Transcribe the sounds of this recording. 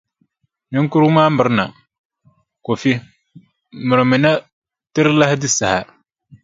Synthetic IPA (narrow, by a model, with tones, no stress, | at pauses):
nɪ˦ŋ˦ku˦ɾu˦maː˦mɨ˨ɾna˨ | ko˨fi˦ | mʊ˨ɾɨ˨mɪ˨na˦ | tɪ˦ɾla˦hɪ˦dɪ˦sa˨ha˨